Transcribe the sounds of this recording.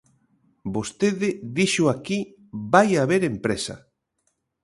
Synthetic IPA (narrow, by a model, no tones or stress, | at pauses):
bost̪eðɪðiʃʊaki | bajaβeɾempɾesɐ̰